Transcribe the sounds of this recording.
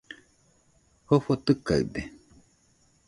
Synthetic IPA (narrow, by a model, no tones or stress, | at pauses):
hofot̪ɨka̰ɯ̰d̪e